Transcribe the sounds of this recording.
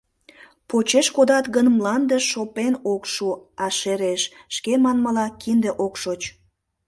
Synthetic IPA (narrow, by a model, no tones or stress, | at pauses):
pot͡ɕeʃkod̪ɑt̪ɣənmlɑnd̪əʃʃopenokʃuɑʃeɾeʃ | ʃkemɑnmɑlɑkind̪eʔokʃot͡ɕ